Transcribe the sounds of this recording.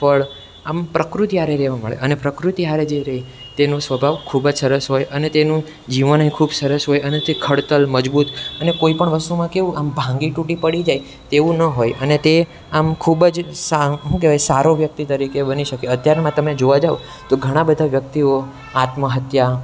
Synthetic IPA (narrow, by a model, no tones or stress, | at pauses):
pəɭ | ampɾəkɾut̪iaɾeɾɛʋamə̰ɭḛʔənepɾəkɾut̪iaɾed͡ʒeɾəɦi | t̪enũsʋəbʱaʋkʰubəd͡ʒsəɾəsɦojʔənet̪enũ | d͡ʒiʋənəɦĩkʰubsəɾəsɦojənet̪ekʰəɽt̪əlməd͡ʒbut̪ənekoipəɳʋəst̪umãkeʋũʔambʱãŋɡiʈuʈipəɽid͡ʒaj | t̪eʋũnəɦojʔənet̪e | amkʰubəd͡ʒsaɦũkeʋasaɾoʋjək̚t̪it̪əɾikebəniʃəkeət̪jaɾmãt̪əmed͡ʒoʋad͡ʒao | t̪oɡʱəɽ̃ãbəd̪ʱaʋjək̚t̪io | at̪məɦət̪ja